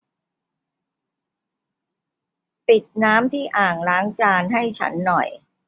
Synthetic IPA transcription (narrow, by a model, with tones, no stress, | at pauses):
pi˨˩t̪̚naː˦˥mt̪ʰiː˥˩ʔaː˨˩ŋlaː˦˥ŋt͡ɕaː˧nɦa˥˩jt͡ɕʰa̰˦˥nːɔ˨˩j